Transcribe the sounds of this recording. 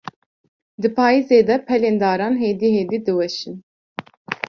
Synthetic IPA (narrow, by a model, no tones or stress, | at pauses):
d̪ɨpʰaːizeːd̪ɛpʰɛleːnd̪ɑːɾɑːnɦeːd̪iːɦeːd̪iːd̪ɨwɛʃɨn